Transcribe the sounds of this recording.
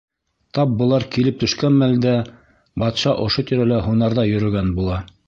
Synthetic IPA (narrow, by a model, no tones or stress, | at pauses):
t̪ɑp̚bŏlˠɑɾkilɘp̚t̪ɵ̆ʃkænmæld̪æ | bɑt̪ʃɑʔŏʃot̪iɾælæɦunɑɾðɑjɵ̆ɾɵ̆ɡænbulˠɑ